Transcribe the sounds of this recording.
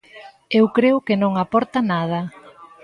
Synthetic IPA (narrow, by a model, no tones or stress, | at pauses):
ewkɾeʊkɪnõŋapɔɾt̪ɐnað̞ɐ